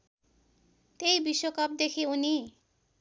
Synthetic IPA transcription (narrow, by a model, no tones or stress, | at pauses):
t̪ejbiswokʌp̚d̪ekʰiuni